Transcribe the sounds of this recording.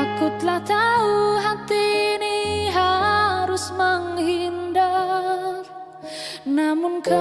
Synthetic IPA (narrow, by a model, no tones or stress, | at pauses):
akʊt̪laht̪auɦat̪iniɦaɾusməŋɦinda | namʊnka